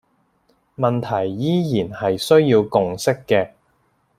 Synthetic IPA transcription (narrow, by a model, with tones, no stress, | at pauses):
mɐ˨nt̪ʰɐ˨˩jːiː˥jiː˨˩nhɐ˨jsɵ˥ɥjiː˧wkʊ˨˧ŋsɪ˥kːɛː˧